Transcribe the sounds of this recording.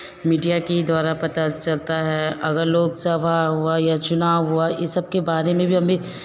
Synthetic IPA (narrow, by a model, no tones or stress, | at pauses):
miːɖijakid̪waːɾapɐt̪at͡ʃɐlt̪aɦɛʔɐɡəɾloːɡsɐʋaɦuajat͡ʃʊnaːwɦuajɪsɐb̚kebaːɾemẽbʱiɦɐmbʱi